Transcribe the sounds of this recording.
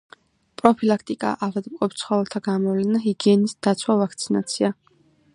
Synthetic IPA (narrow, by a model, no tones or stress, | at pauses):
pʼɾɔpʰilakʰt̪ʼikʼa̰ʔavad̪mkʼɔpt̪sʰχɔvɛlˠt̪ʰaɡamɔvlɛnaɦiɡiɛnisd̪̥at̪sʰwavakʰt̪sʰinat̪sʰia